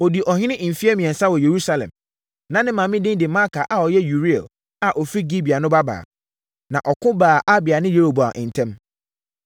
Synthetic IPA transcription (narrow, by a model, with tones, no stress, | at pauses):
ɔ˨di˨ʔɔ˨ɦɪ̃˦ɪ̃˦ʔ̩˨fi˦ɛ˦mĩ˨ɛ˨sa˦wɔ˨je˨ɾu˦sa˨lɛ̰̃˨m | nã˨nɪ̃˦mã˨mɪ̃˦dɪ̃˦n˦dɪ˨ma˦kʰa˨ʔa˨ɔ˨jɛ˦ju˨ɾi˦ɛ̰˨l | a˨ʔɔ˨fi˦ɡi˦bi˨a˨nʊ̃˦ba˦ba̰ː˨ | nã˨ʔɔ˨kʰʊ̃˦baː˨ʔa˦bɪ˨a˨nɪ̃˦je˦ho˨bo˨a̰˨ʔɪ̰̃˨n̩˨tʰɛ̃˦m